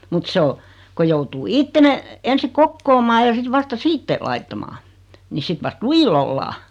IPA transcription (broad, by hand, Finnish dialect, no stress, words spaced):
mut se o ko joutuː itːe ne ensi kokːoːmɑː jɑ sit ʋɑstɑ siːtːe lɑitːɑmɑː ni sit ʋɑst lujil olːɑː